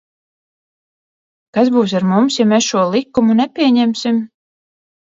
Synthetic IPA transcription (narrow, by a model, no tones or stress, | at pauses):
kasbuːs̬aɾmumsjamesʃuɔlˠikːumunɛpʲiɛɲɛmʲsim